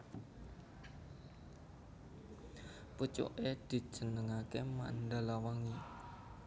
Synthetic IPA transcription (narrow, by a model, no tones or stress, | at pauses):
put͡ʃo̰ʔed̪̥i̤̥ʒ̥ə̤nəŋakema̰nd̪alawaŋi